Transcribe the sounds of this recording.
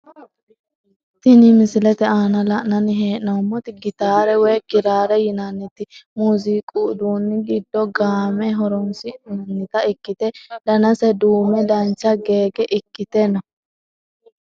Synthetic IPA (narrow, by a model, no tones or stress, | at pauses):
t̪ɪnɪmɪsɪlɛt̪ɛaːnɐlɐnɐnɪɦeːʔnɐmːɔt̪ɪɡɪt̪aːɾɛwɛjkɪɾaːɾɛjɪnanːɪt̪ːɪmuːzikʼud̪uːnːɪɡɪd̪ːɔɡaːmɛɦɔɾɔnsɪnɐnːɪt̪ɐɪkːɪt̪ɛd̪ɐnɐsɛd̪uːmɛd̪ɐnt͡ʃːɐɡe̞ːɡɛʔɪkːɪt̪ɛnɔ